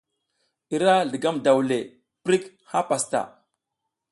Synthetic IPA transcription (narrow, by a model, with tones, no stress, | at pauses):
i˨ɾa˦ɮə˨ɡa˦mda˨wle˨ | pɾi˦k | ha˦pa˨sta̰˨